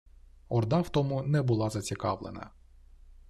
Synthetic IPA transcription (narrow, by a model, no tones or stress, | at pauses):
ɔrd̪ɑwt̪ɔmʊnɛbʊlˠɑzɐt͡sʲikɑ̰ʋlˠḛnɐ̰